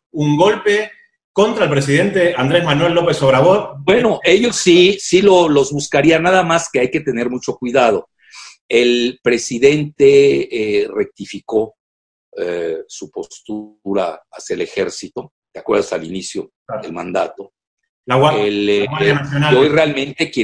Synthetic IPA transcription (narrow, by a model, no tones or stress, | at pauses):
uŋɡo̞lpe̞ | ko̞nt̪ɾaelpɾesiðe̞nt̪e̞and̪ɾezmanwe̞lːo̞pesoβɾaβoðbweno̞e̞ʝosːisilo̞lo̞zβuskaɾianːaðamaske̞ajke̞t̪e̞ne̞ɾmut͡ʃo̞kwiðað̞o̞ | e̞lpɾe̞siðe̞nt̪e̞ | re̞k̚t̪ifiko̞ | esupo̞st̪uɾa̰asjaele̞xe̞ɾsit̪o̞ | t̪eakwe̞ɾðasalḭnisjo̞ | ðelmã̰nd̪a̰t̪o̞ | laaelwnasjonaojrealmẽ̞nt̪e̞kje